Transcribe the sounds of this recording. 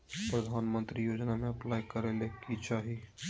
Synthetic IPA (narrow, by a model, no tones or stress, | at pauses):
pɾəd̪ʱaːnmə̃nt̪ɾijoːd͡ʒnamẽɐplaːjkɐɾelekit͡ʃaːɦi